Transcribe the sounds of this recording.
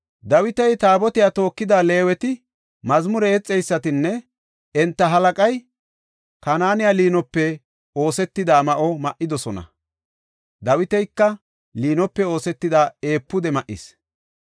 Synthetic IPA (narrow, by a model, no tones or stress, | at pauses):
d̪ɐwɪt̪ɛjt̪aːbɔt̪ɪjat̪o̞ːkːɪd̪aːle̞ːwɛt̪ɪ | mɐzmʊɾɛɛt͡sʼːɛjsːɐt̪ɪnːɛ | ɛnt̪ːɐɦɐlɐkʼɐj | kɐnaːnɪjaːliːnɔpːɛ | o̞ːsɛt̪ːɪd̪aːmɐʔɔmɐʔɪd̪ɔsɔnɐ̰ | d̪ɐwɪt̪ɛjkːɐ | liːnɔpːɛo̞ːsɛt̪ːɪd̪aːe̞ːpːʊd̪ɛmɐʔɪ̰s